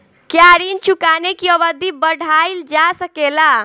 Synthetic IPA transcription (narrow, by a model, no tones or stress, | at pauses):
kjaɾint͡ʃʰukanekiəʋəd̪ʱibəɽ̤ʱaild͡ʒasəkela